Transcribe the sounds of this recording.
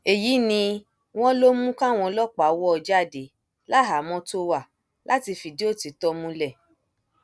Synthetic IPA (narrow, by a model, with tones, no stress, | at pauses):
e˨ji˨˦nĩ˧ | w̃ɔ̃˦lo˦mũ˦kã˦˨w̃ɔ̃˧lɔ˦k͡pa˨wɔ˦ɔ˧d͡ʒa˦˨de˨˦ | la˦ɦa˨˦mɔ̃˧to˦wa˦˨ | lʔa˦ti˧fi˧di˦o˦˨ti˧tɔ˦mũ˦lɛ˦˨